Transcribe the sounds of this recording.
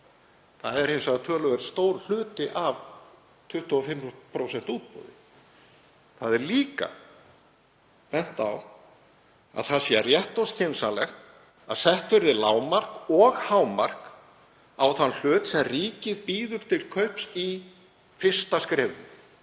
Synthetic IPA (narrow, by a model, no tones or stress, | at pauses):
θaðɛɾ̥hẽjmsat̪ʰœːlœɣɛɾst̪oːwɾ̥l̥ʏːt̪ɪʔav | t̪ʰʏht̪ʰuafɪmpʰɾowsɛn̥t̪uːt̪̚po̰ːðɪ | θaðɛɾliːka̰ | pɛn̥t̪a̰w | a̰ðθaðsiarjɛht̪ɔsc̪ʰensalɛxt̪ | aðsɛht̪vɪɾðɪlaːwmar̥kɔɣhaːwmar̥k | awθanl̥ʏːt̪sɛmriːcɪðpiːðʏɾ̥t̪ʰɪlkʰœɥpsi | fɪr̥st̪askɾɛːvʏ̰n